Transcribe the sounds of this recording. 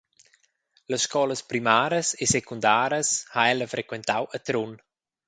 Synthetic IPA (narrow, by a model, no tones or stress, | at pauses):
ləsʃkɔləspɾimaːɾəsesekund̪aːɾəshaɛləfɾekwɛnt̪awət̪ɾun